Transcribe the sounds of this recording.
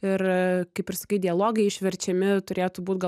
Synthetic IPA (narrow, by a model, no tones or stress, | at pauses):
ɪrkɐɪpɪɾsɐkɐɪtdʲɪɐlˠoːɡɐɪɪʃʲʋʲɛɾʲt͡ʃʲɛmʲɪt̪ʊɾʲeːjot̪ʊbuːt̪ɡɐ